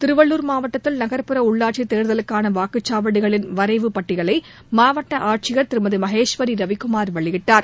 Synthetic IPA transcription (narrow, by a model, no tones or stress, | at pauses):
t̪ɪɾɯʋɐɭːuːɾmaːʋɐʈːɐt̪ːɪlnɐɣɐɾpɯɾɐʊɭːaːʈ̚t͡ʃːit̪ːeːɾɯðɐlɯkːaːnɐʋaːkɯt͡ʃːaːʋɐɽɪɣɐɭɪnʋɐɾɐɪʋɯpɐʈːɪɣɐɭɐɪ | maːʋɐʈːɐʔaːʈ̚t͡ʃɪɣɐɾt̪ɪɾɯmɐðɯmɐɦeːʂʋɐɾiɾɐʋɪkːʊmaːɾʋɐɭɪɣɪʈːaːɾ